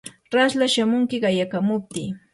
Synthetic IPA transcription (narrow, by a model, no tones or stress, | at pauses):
ɾaslaʃamʊŋkɪɢɑjakamʊp̚t̪iː